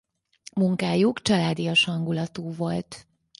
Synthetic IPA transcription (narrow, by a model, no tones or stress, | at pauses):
muŋkaːjukt͡ʃɒlaːd̪ijoʃhɒŋɡulɒt̪uːvo̞lt̪